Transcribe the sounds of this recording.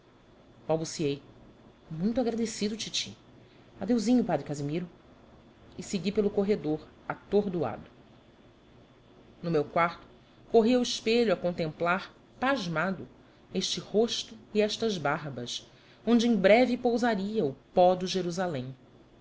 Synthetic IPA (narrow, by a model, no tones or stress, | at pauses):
bawbusiej | mũj̃t̪ʊaɡɾad̪esid̪ʊt͡ʃit͡ʃḭ | ad̪ewzĩɲʊpad̪ɾɪkazimiɾʊ | ɪseɡipelʊkoɦed̪oɾ | at̪oɾd̪ua̰d̪ʊ | nʊmewkwaɾt̪ʊ̥ | koɦiɐuiʃpeʎuɐkõnt̪ẽmplaɾ | paʒmad̪ʊ | eʃt͡ʃɪhoʃt̪ʊiɛʃt̪ɐzbaɾbɐs | õnd͡ʒɪẽj̃bɾɛvipowzaɾiɐʊpɔd̪ʊʒeɾuzalẽj̃